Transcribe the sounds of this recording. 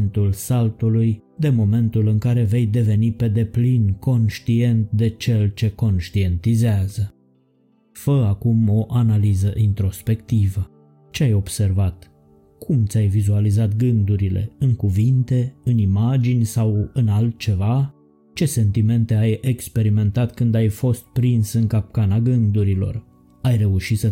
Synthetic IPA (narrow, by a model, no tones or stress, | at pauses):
nt̪ulsalt̪uluj | d̪e̞mo̞me̞nt̪ulɨŋkaɾe̞ve̞jd̪e̞ve̞nipe̞d̪e̞plinko̞nʃt̪ie̞nt̪̚d̪e̞t͡ʃe̞lt͡ʃe̞ko̞nʃt̪ie̞nt̪izeazə | fəakumo̞ʔanalizəʔint̪ɾo̞spe̞kt̪ivə | t͡ʃe̞ajo̞bse̞rvat̪ | kʰumt̪sʲajvizualizat̪ɡɨnd̪uɾile̞̰ɨŋkuvint̪e̞ɨnimad͡ʒinʲsawɨnalt̪̚t͡ʃe̞va | t͡ʃe̞se̞nt̪ime̞nt̪e̞ajekspe̞ɾime̞nt̪at̪kɨnd̪ajfo̞st̪̚pɾinsɨŋkap̚kanaɡɨnd̪uɾilo̞̰r | ajre̞uʃit̪sə